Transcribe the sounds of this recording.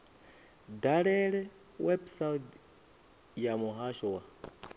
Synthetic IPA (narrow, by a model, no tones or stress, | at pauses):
daɺɛɺɛ | wɛbsat | jamuɦaʃɔwa